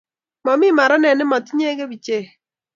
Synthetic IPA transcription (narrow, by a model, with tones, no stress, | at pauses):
mɔ˨mɪ˦ma˨ɾɔ˦nɛ˨nɪ˦mɔ˨tɪ˦ɲɛ˦ɡe˦bi˨t͡ʃe˦˨